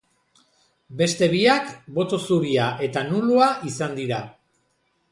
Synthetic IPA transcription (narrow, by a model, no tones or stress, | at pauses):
be̞st̪e̞βiakbo̞t̪o̞suɾiaʔe̞t̪anuluaʔisand̪iɾa